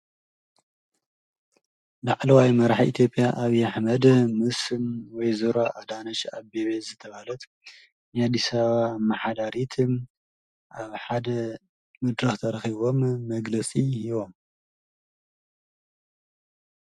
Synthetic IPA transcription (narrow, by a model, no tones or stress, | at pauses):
laʕlɐwajmɐɾaħʔḭt̪ʰjo̞pʼjaʔaβiaħmɐd̪mɨsɨnwɔjzoɾoʔad̪anɐʃaβbeβezɨt̪ʰɐβalɐt̪ | niad̪ːisaβamaħad̪aɾit̪ʰɨm | ʔaβħad̪ɐ | mɨd̪ɾɐxt̪ʰɐɾɐxiβo̞mːɐɡlɐt͡sʼihiβo̞m